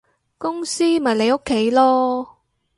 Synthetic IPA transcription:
kʊ˥ŋsiː˥mɐ˨˩jle˨˧jo˥kʰːe˨˥jlɔː˥

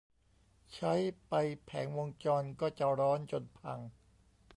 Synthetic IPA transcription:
t͡ɕʰa˦˥jpa˧jpʰɛ̰ː˩˦ŋwo˧ŋt͡ɕɔː˧nkɔː˥˩t͡ɕa˨˩ɾɔː˦˥nt͡ɕo˧npʰa̰˧ŋ

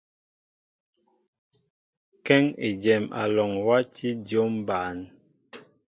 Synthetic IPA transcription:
kɛ˦ŋe˨d͡ʒɛ˨ma̰˨lɔ˨ŋwa˦ti˦djo˦mba˨n

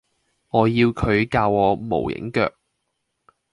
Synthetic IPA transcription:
ŋɔː˨˧jiː˧wkʰɵ˨˧ɥkaː˧wɔː˨˧mo̰˨˩wjɪ̰˨˥ŋkœː˧k̚

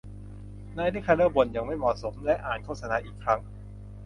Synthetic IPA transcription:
naː˧˥jɾiː˦˥kʰa˧nɤː˥˩bo˨˩nja˨˩ŋma˥˩jmɔ˨˩so˩˦mlɛ˦˥ʔaː˨˩nkʰo˥˩t̚sa˧naː˨˦ʔiː˨˩kʰɾa˦˥ŋ

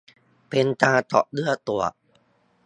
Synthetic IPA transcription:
pe˧nt̪aː˧t̪ɔ̰˨˩ʔlɯ˥˩ɐt̪u˨˩ɐ

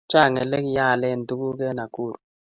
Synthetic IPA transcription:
t͡ʃa˦˨ŋɛ˨lɛ˦ki˦ja˦˨lɛ˦˨n̩˨tu˦ku˦kɛ˦na˨ku˦˨ɾ

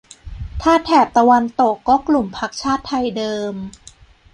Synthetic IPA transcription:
t̪ʰaː˥˩t̪ʰɛː˨˩p̚t̪a˧wa˧nt̪o˨˩kːɔː˥˩klu˨˩mpʰa˦˥k̚t͡ɕʰaː˥˩t̪ʰːa˧jdɤː˧m

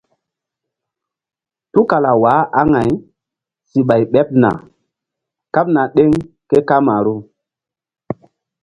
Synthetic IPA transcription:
tu˦ka˨la˨wa˨˦ʔa˦ŋa˨j | si˨ɓa˨jɓɛ˦p̚na̰˨ | ka˦p̚na˨ɗe˦ŋ | ke˦ka˦ma˨ɾu˦

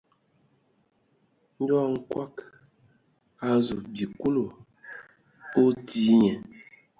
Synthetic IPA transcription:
n̩˦dɔ˦˨ŋ̩˦kwa˦k | a˨zu˨bi˨ku˦lo˨ | o˦ti˦ɲɛ˨

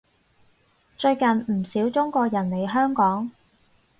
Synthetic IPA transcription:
t͡ʃɵ˧ɥkɐ˨nm̩˨˩siː˨˥wt͡sʊ˥ŋkʷɔː˧k̚jɐ˨˩nle˨˧jɦœː˥ŋkɔː˨˥ŋ

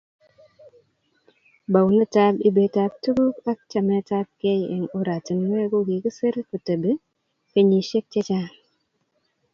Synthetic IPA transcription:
ba˨wnə˦ta˦bi˦be˨ta˦b̚tu˦ɡu˦ka˦k̚t͡ʃa˨mɛ˦ta˦b̚ke˦jḛ˨ŋo˦ɾa˨ti˨nwe˦ɡo˦ɡi˨ki˦se˦ɾku˨tə˨be˦ | ke˦ɲi˨ʃe˦k̚t͡ʃe˦t͡ʃa˦

